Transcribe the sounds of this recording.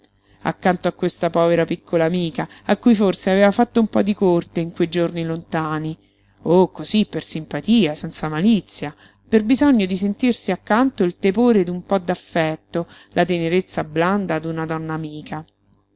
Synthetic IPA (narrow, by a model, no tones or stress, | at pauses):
a̰kːant̪oakːwest̪apɔːveɾapikʰːolaːmiːkaakːujforseaveːvafat̪ːoumpɔd̪ikort̪eiŋkwejd͡ʒornilont̪aːni | okːozipːersimpat̪iːasɛnt̪samalit̪sːja | perbizɔɲːod̪isent̪irsiakːant̪oilt̪epoːɾed̪umpɔd̪ːafːɛt̪ːo | lʔat̪eneɾet̪sːabland̪ad̪unad̪ɔnːaːmiːkʰa